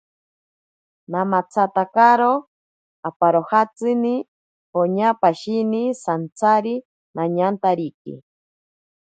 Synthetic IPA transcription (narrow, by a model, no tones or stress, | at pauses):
namat͡sʰat̪akaɾo | apaɾohat͡sɨni | hoɲapaʃinisant͡sʰaɾi | naɲant̪aɾikḭ